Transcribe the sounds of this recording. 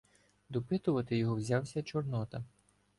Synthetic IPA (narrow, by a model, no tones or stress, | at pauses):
d̪ɔpɪt̪ʊʋɐt̪ɪjɔɦɔwzʲawsʲɐt͡ʃɔrnɔt̪ɐ